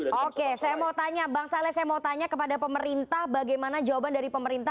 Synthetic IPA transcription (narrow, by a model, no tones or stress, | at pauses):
okesajamawt̪aɲabaŋsalasajamawt̪aɲakəpadapəməɾint̪ahbaɡajmanad͡ʒawabandaɾipəməɾint̪a